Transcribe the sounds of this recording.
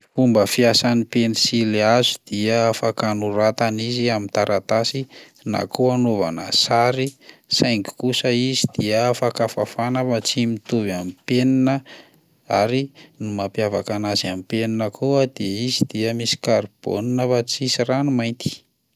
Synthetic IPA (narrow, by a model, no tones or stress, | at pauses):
fumbəfiasanipenisileazud̪̥iəafakanuɾat̪aniziamint̪aɾʔat̪asi | na̰kuanova̰nə̰saɾisajŋki̥kusəizid̪̥iəafakafafanavat͡simit̪uvamipeninə | aɾinimapjavakanazamipeninəkʰuəd̪eizid̪̥iəmisi̥kaɾib̥o̰ninəfat͡sisiranumajnt̪i̥